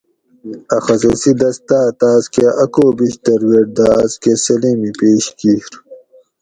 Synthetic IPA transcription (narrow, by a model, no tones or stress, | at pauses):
ɐxɐzɐsid̪ɐst̪aːt̪aːzkeʔɐkoːbiɕt̪ɐɾweʈ̚d̪aːzkesɐliːmipeːɕkiːɾ